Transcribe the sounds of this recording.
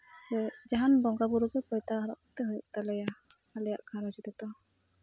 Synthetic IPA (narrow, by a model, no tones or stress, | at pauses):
sɛd͡ʒaɦanbɔŋɡabuɾuɡɛpɔjt̪aɦaɾɔ̰ʔkɔt̪ɛɦujṵʔt̪alɛja | alɛja̰ʔkʰaɾɔd͡ʒid̪ɛt̪ɔ